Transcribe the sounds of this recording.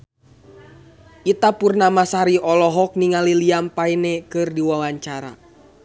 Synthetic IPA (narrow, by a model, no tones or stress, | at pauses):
ʔit̪apurnamasaɾiɔlɔɦɔk̚niŋaliliampainɛkɨrdiwawaɲt͡ʃaɾa̰